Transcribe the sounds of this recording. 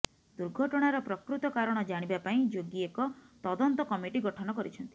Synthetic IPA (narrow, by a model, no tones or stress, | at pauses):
d̪̥uɾɡʱɔʈɔɽ̃aɾɔpɾɔkɾut̪ɔkaɾɔɽ̃ɔd͡ʒaɽ̃ibapaĩd͡ʒoɡiekɔt̪ɔd̪ɔnt̪ɔkɔmiʈiɡɔʈʰɔnɔkɔɾit͡ʃʰɔnt̪i̥